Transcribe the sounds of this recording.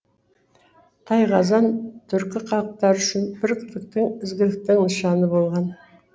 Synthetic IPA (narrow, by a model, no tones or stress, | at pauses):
t̪ʰɑjʁɑzɑnt̪ʰʏɾkʲɪqʰɑlˠəq̚t̪ɑɾʏʃɪnb̥ɪɾkʲʰʏ̥t̪ɪk̚t̪ɪŋɪzɡʲɪlɪk̚t̪ɪŋnəʃɑnəbo̞lˠʁɑn